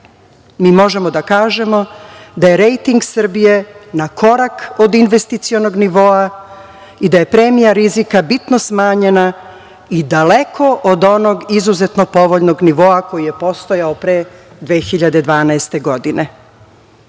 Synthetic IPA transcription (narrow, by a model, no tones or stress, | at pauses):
miːmo̞ʒe̞mod̪akaːʒe̞mo̞d̪aje̞ɾejt̪iŋɡsr̩bije̞nakʰo̞ɾakod̪inʋe̞st̪it̪sio̞no̞ɡniʋo̞a | id̪aje̞pɾe̞ːmijaɾizikabit̪no̞smaːɲe̞na | id̪ale̞kʰo̞ʔod̪o̞no̞ɡizuzet̪no̞po̞ʋo̞ʎno̞ɡniʋo̞ako̞jije̞po̞st̪o̞jaopɾe | d̪ʋeːxiʎad̪e̞d̪ʋaːnaest̪e̞ɡo̞d̪ine̞